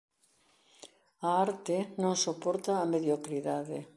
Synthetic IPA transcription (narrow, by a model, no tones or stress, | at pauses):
aaɾt̪ɪnõŋsopɔɾt̪aːmeðjokɾiðaðe